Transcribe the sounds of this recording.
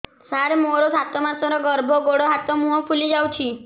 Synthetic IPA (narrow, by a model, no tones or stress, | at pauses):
saɾemoɾɔsat̪ɔmasɔɾɔɡɔɾbʱɔɡoɽɔɦat̪ɔmũɦɔpʰulid͡ʒawt͡ʃʰi